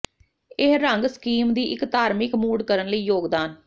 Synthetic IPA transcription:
eɦɾəŋɡskiːmd̪iːʔɪkt̪aːɾmɪkmuːɖkəɾənləiːjoːɡd̪aːn

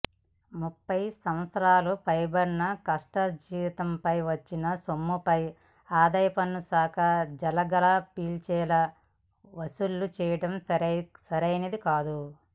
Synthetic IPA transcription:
mupːɐjsɐmɐt̪sɐɾaːlupɐjbɐɾnɐkɐʂʈɐd͡ʒiːʋit̪ɐmpɐjʋɐt͡ʃːinɐsomːupɐj | aːd̪ɐjɐpɐnːusaːkɐd͡ʒɐlɐɡɐlɐpiːlt͡ʃɛːlɐ | ʋɐsulːut͡ʃɛːjɐʈɐmsɐɾsɐɾɐjnɐd̪ikaːd̪u

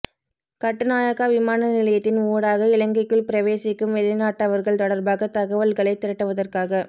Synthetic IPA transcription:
kɐʈːɯnaːjɐɣaːʋɪmaːnɐnɪlɐjɐt̪ːɪnoːɽaːɣɐɪlɐŋɡɐɪkːɯɭpɪɾɐʋeːsɪkːɯmʋɛɭɪnaːʈːɐʋɐɾɣɐɭt̪ɔɽɐɾbaːɣɐt̪ɐɣɐʋɐlɣɐɭɐɪt̪ːɪɾɐʈːɯʋɐðɐrkaːɣɐ

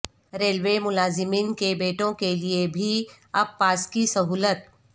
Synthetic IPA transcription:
ɾeːlʋemʊlaːzɪmiːnkebeːʈõkeliebʱi | ɐbːaːskisɐɦuːlət̪̚

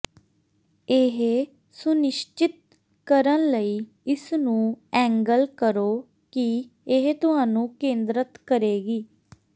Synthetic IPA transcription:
ɪɦ | sʊnɪʃt͡ʃɪt̪̚ | kəɾənləiː | ɪsnũːɛ̃ːŋɡəlkəɾoː | ki | ɪɦt̪ʊɦaːnũːkẽːnd̪ɾət̪kəɾeːɡiː

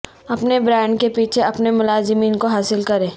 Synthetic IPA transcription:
ɐpnebɾɛ̃ːɳɖkepiːt͡ʃʰeɐpnemʊlaːzɪmiːnkoɦaːsɪlkɐɾẽː

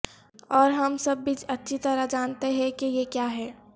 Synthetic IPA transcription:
ɔːɾɦɐmsɐbːit͡ʃɐtːʃʰit̪ɐɾad͡ʒaːnt̪eɦɛ̃kijekjaːɦɛː

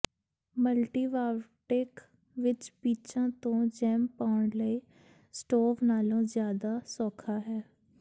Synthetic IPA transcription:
məlʈiːʋaːʋʈeːk | ʋɪt͡ʃbiːt͡ʃãːt̪õːd͡ʒɛːmpaːʊɳləiː | sʈoːʋnaːlõːzjaːd̪aːsɔːkʰaːɦɛː

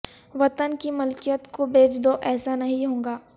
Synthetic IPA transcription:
ʋɐt̪ənkimʊlkijət̪kobeːt͡ʃd̪oʔɛːsanɐɦĩɦõːŋ̆ɡaː

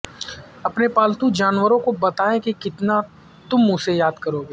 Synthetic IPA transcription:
ɐpnepaːlt̪ud͡ʒaːnwəɾõkobɐt̪aːẽkikɪt̪na | t̪ʊmʊsejaːd̪kɐɾoːɡeː

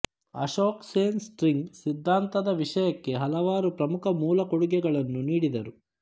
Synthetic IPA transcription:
ɐ̰ʂoːkseːnsʈɾiŋɡsid̪ʱːaːnt̪ɐd̪ɐʋiʂɐjɐkːe̞ɦɐlɐʋaːɾupɾɐmukʰɐmuːlɐkoɽuɡɛɡɐɭɐnːuniːɽid̪ɐɾu

